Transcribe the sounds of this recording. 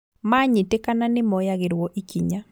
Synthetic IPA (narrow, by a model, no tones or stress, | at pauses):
maɲitekananɪmɔjaɡɪɾwɔʔikiɲa